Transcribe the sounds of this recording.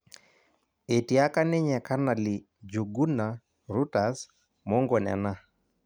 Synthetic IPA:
e˨ti˨a˦ka˦ne˦ɲɛ˨ka˦na˨li˨ | d͡ʒu˨ɡu˦na˨ | ɾu˦ta˨s | mo˦ŋɡɔ˨nɛ̰˨na˦

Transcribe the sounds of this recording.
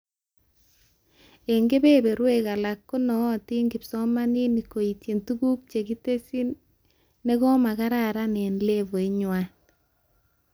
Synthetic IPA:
e˨ŋɡe˦be˦be˨ɾwe˦ka˨la˨kːo˦nɔ˨ti˦ŋɡi˨psɔ˦ma˦ni˦ni˨ko˨i˨tje˨ntu˦ɡu˦k̚t͡ʃe˨ki˦te˦si˦n | ne˦kɔ˦ma˨ka˦ɾa˨ɾa˦ne˨nle˦βo˨i˦ɲwa˨n

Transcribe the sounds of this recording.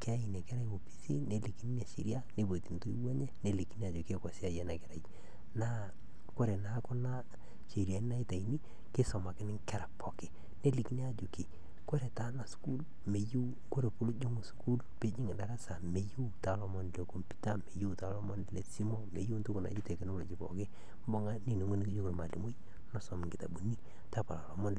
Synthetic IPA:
ke˦a˦i˨ne˨kɛ˦ɾa˦jwo˨pi̥˨sḭ˦ne˦li˨ki˦ni˦ne˨ʃḭ˨ɾja˦ne˦bo˨ti˨nto˦i˦wɔ˦ɲe˦ne˦˨li˨ki˦ni˦a˨d͡ʒu˨ke˦ka˨si˦a˦˨jɛ˨na˨kɛ˨ɾa˨ji | na˦ | ko˦ɾe˨na˦kɔ˦na˦ | t͡ʃe˨ɾja˨ni˦na˦i˦ta˨i˨ni˦ | ke˦sɔ˨ma˨kɪ˦nɪ˦ŋkɛ˦ɾa˨pɔ˨ke˨ | ne˦li˨ki˦ni˦a˨d͡ʒu˨ki˨ | ko˦ɾe˨ta˦na˨sku˦l | me˨ju˦ | ko˦ɾe˨pu˦lo˦d͡ʒʊ˦ŋu˨sku˦lpe˦d͡ʒɪ˦ŋɪ˨da˦ɾa˦sa˨me˨ju˦ta˨lɔ˨mɔ˦n˨le˨ko˨mpu̥˦ta˦me˨ju˦ta˨˦lɔ˦mɔ˦n˨le˨si˦mɔ˦mḛ˨ju˦n˦tu˦kʊ˨na̰˨d͡ʒi˦te˨ke˨no˦lo̰˨t͡ʃi˨pɔ̰˨ke˦ | m˦bɔ˦ŋa˦ni˨nu˨ŋo˦ni˦ki˦d͡ʒo˦ko˨lma˨lḭ˨mu˦j | nɔ˦sɔ˨m˨ŋɡɪ˨ta̰˨bu˨ni˦ | ta˦pa˨la˨lɔ˨mɔ˦n

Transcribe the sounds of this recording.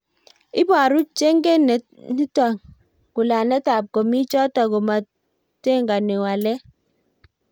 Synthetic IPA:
ɪ˦ba˨ɾu˦t͡ʃe˦ŋɡe˦nɛ˨ | ni˦tɔ˨ŋ | ku˨la˨nɛ˦ta˨p̚ko˨mi˦t͡ʃɔ˦tɔ˨ɡɔ˨ma˨ | te˦ŋɡa˨ni˨wa˨lɛ˦

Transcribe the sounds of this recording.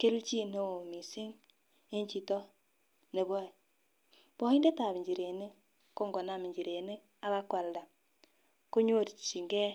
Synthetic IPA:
ke˦lu˦t͡ʃi˦ne˦o˨mi˨si˦ŋ | e˦ɲt͡ʃi˨to˦ | ne˨βo˦˨ | bo˦i˦nde˦ta˨βi˨ɲd͡ʒi˨ɾe˨ne˦ | ko˦ŋɡo˨na˨mi˨ɲd͡ʒi˨ɾe˨ne˦ | a˦ɣa˦kwa˨lda˨ | ko˦ɲo˦ɾt͡ʃi˨ŋɡe˦

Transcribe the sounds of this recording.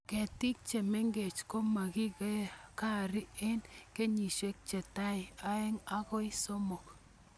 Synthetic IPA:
ke˨ti˦k̚t͡ʃe˨me˦ŋɡe˨t͡ʃko˦ma˨ɡi˦ke˦ka˦˨ɾi˦e˦nke˦ɲi˨ʃe˦k̚t͡ʃe˨ta˦i˨a˦e˦ŋa˦ko˦i˦so˦mo˨k

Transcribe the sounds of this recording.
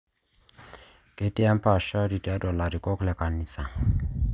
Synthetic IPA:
kʼe˦tʼɛ˦a˦m̩˦pa˨ʃa˦di˨tʼi˨a˦dɔ˨la˨ɾi˨kʼɔ˦klɛ˨kʼa˨ni˨sa˨

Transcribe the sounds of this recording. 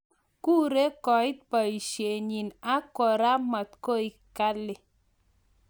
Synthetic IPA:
ku˦ɾe˦kɔ˨ɪ˦t̪̚pa˨i˨ʃje˨ɲi˨na˦kɔ˨ɾa˦ma˨t̪ko˦i˨ | ka˦lɪ˨

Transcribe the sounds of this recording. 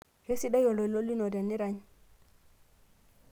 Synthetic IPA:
je˦si˦ɗa˦jɔ˨lo˨lo˦lːi˦nɔ˨dɛ˨nːi˦ɾa˨ɲ

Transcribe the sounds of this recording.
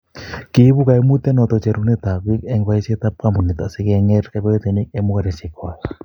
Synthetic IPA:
ki˨˦bu˦ka˨ɛ˦mu˦t̪ɛ˦nɔ˨t̪ɔ˨t͡ʃɛ˨ɾu˦knɛ˦t̪a˨kwi˦kɛ˦ŋba˦i˦se˦t̪a˦p̚ka˦˨mu˨nɪ˨t̪a˨sɛ˦kɛ˧ŋɛ˦ɾkɛ˨bɛ˦t̪ɛ˨nɪ˦k̚ɛ˧mu˦ka˨ɾɛ˨si˨kwa˨l

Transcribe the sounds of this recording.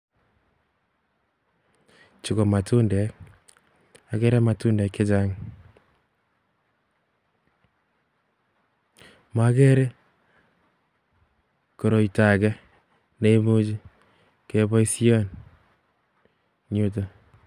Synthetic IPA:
t͡ʃi˨ko˨ma˨tu˦ndɛ˨k | a˨ke˦ɾe˦ma˨tu˦nde˨kːe˦d͡ʒa˦ŋ | ma˦ke˦ɾe˦ | ko˨ɾo˨i˨ta˨kɛ˦ | ne˦i˦mu˦d͡ʒi˦ | ke˦βo˦i˦si˦o˦n | ɲu˦t̬o˦

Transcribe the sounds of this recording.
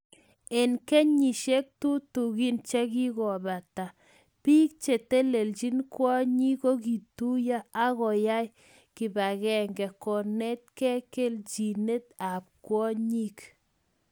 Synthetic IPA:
e˨nkɛ˦ɲi˨ʃe˦k̚tu˦tu˨ɣi˦nt͡ʃɛ˦ki˦ɣɔ˨ba˨ta˨ | pi˦k̚t͡ʃe˨t̪e˦le˨lt͡ʃi˦nkwɔ˦ɲi˦ko˦ki˨tu˦ja˦a˦ɣɔ˨ja˦j | ki˨ba˨ɣɛ˨ŋɡɛ˨kɔ˨nɛ˦t̪̚kɛ˦ke˦lt͡ʃi˨ne˦t̪̚a˨p̚kwɔ˦ɲi˦k

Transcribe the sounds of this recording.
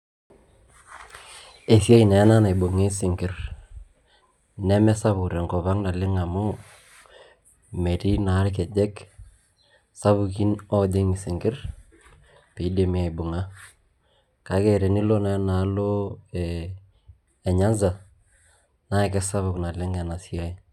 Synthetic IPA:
e˨sje˦ki˨na˨˦na˦ne˨bu˨ŋe˦sɪ˨ŋɡɪ˦r | nɛ˦mɛ˦sa˦βʊ˨ɾɛ˨ŋkɔ˨βa˦ŋna˨lɪ˦ŋa˨mʊ˦ | me˨ti˦na˨˦lk̬ɛ˨d͡ʒɛ˦k | sa˦βu˨ki˦nɔ˦d͡ʒɪ˦ŋ˨sɪ˨ŋɡɪ˦r | pe˨i˦de˨m˨e˨bʊ˨ŋa˦ | ka˨˦ɡe˨ɾe˨ni˦lo˦na˨˦na˨˦lo˦ | ɛ˨ɲa˦nza˨ | na˦˨kɛ˦sa˦βʊ˨kna˨lɪ˦ŋɛ˨na˨sja˦i˦

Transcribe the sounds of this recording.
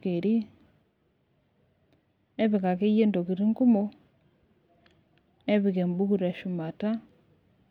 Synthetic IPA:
ke˨ɾi˦ | e˦βi˨ka˨ke˦je˦ndo˨ki˨ɾi˦ŋku˦mo˦ | e˦βi˨ke˨mbu˦ku˦ɾa˨ʃu˨ma˨ta˦

